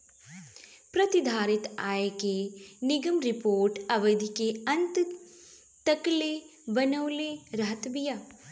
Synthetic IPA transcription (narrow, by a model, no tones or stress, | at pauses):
pɾɐt̪id̪ʱaːɾɪt̪aːekenɪɡəmɾɪpoːɾʈɐʋəd̪ʱikeɐ̃nt̪ | t̪ɐklebɐnəwleɾɐɦət̪bijaː